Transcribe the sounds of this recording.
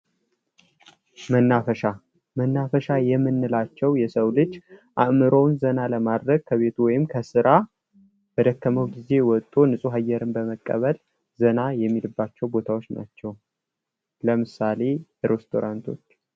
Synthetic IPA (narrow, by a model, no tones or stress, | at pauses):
mənːafəʃa | mənːafəʃajɛmːɨnːɨlat͡ʃːɛwjɛsəwlɨd͡ʒːʔaʔmɨɾownzənaləmad̪ɾəɡ̚kʰəβe̞t̪ʰuwɔjɪmkʰəsɨɾa | b̥əd̪əkːəməwɡize̞wɔt̪ʼonɨsʼuɦajːɛɾɨnbəməkʼːə̰βəl | zənajɛmːilɨbːat͡ʃːɛwbo̞t̪ʰawot͡ʃna̰t͡ʃːɛw | ləmɨsale̞ɾest̪ʰo̞̰ɾant̪ʰo̞t͡ʃː